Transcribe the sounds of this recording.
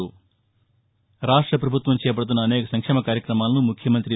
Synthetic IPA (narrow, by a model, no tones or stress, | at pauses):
u | ɾaːʂʈɾɐpɾɐbʱut̪ʋɐmt͡ʃɛːpɐɽɐt̪unːɐːnɛːkɐsɐŋkʂɛːmɐkaːɾjɐkɾɐmaːlɐnumukʰjɐmɐnt̪ɾi